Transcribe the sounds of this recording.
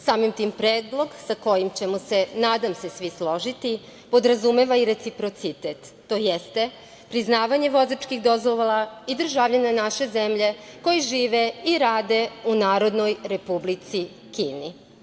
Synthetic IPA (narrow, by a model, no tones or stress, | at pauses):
saːmimt̪iːmpɾeːd̪lˠo̞ɡsako̞jimt͡ɕe̞muse̞naːd̪amsesʋislo̞ʒit̪i | po̞d̪ɾazume̞ʋaiɾe̞t̪sipɾo̞t̪sit̪et̪ːo̞ːjest̪e̞ | pɾiznaːʋaɲe̞ʋo̞zat͡ʃkixd̪ozoʋolaid̪ɾ̩ʒaʋʎaɲanaʃe̞zemʎe̞ko̞jiʒiːʋeiɾaːd̪e̞unaːɾo̞d̪no̞jɾe̞publit̪si | kḭːni